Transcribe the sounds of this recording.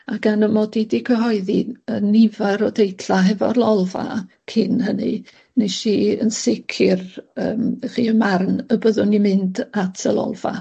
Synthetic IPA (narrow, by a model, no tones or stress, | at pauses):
aɡanəmɔdidikʰəɦɔɨðiənɪvaɾɔdejtʰlaɦɛvɔrlˠɔlˠva̰ | kʰɪnhənɨ | neʃiə̰nsɪkʰɪrəːmχḭːənmarnəbəðʊnimɪndatʰəlɔ̰lˠva̰